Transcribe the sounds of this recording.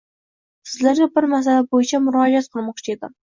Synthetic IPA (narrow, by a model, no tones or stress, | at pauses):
sɪzlæɾɡʲɛbɪɾmæs̬ælæbojɪt͡ʃʰɛmʊɾɑːd͡ʒiɑt̪̚qʰəlˠmɑqt͡ʃʰied̪ɪ̰